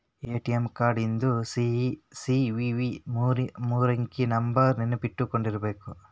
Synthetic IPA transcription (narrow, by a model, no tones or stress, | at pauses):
eːʈijemkaːɾɖind̪usisiʋiʋimːɾmuːɾɐŋkinɐmbɐɾninɐpiʈːukoɳɖiɾɐbeːku